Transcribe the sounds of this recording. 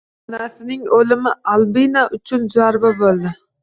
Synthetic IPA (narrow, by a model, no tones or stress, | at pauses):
nasɪnɪŋolɪmɪalˠbinaʔʊt͡ʃʰʊnd͡ʒaɾbabolˠd̪ɪ